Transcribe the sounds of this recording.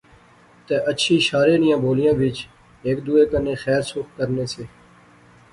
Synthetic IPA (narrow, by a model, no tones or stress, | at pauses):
t̪eːʔəːʃʰiːʃaːɾeːnɪjãːbʱoːlɪjãːʋɪt͡ʃ | eːkd̪uːeːkəneːxɛːɾsʊkkəɾneːseː